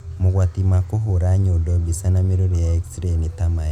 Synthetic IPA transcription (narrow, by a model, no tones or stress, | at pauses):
moɣwat̪imakoɦoɾaɲodɔbisanameɾoɾejaekstɾenit̪amaj